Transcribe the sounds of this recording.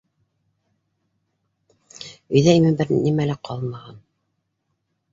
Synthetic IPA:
ɵ̆jðæimɘbɘɾnimælæqʰɑlˠmɑʁɑn

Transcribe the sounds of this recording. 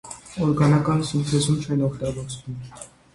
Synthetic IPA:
ɔɾɡɑnɑkɑnsumpʰɛzumt͡ʃʰɛnɔkʰt̪ɑbɔɾst̪um

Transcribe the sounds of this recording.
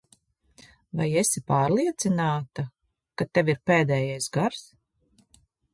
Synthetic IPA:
vajesipaːɾlˠiɛt̪sinaːt̪a | kat̪eʋiɾpeːd̪ɛːjajsɡaɾs

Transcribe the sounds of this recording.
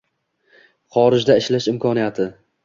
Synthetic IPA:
χɒɾɪd͡ʒd̪aɪʃlaʃɪmkʰɒnijat̪ʰɪ

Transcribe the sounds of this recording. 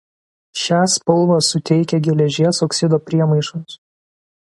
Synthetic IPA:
ʃʲæːspɔlˠʋɑsʊt̪ʲɛɪkʲɛɡʲɪlʲɛʒʲiɛsoːksʲɪd̪oːpʲɾʲiɛmɐɪʃɔns

